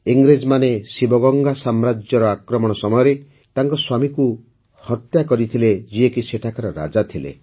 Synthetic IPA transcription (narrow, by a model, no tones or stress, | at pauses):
iŋɡɾed͡ʒmanesibɔɡɔŋɡasamɾad͡ʒjɔɾɔakɾɔmɔɽ̃ɔsɔmɔjɔɾe | t̪aŋkɔswamiku | hɔt̪jakɔɾit̪ʰiled͡ʒiekiseʈʰakaɾɔɾa̰d͡ʒat̪ʰilḛ